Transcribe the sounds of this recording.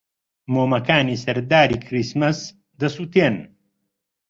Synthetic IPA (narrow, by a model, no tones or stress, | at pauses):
moːmɐkaːniːsɐɾd̪aːɾiːkʰɾismɐs | d̪ɐsuːt̪eːn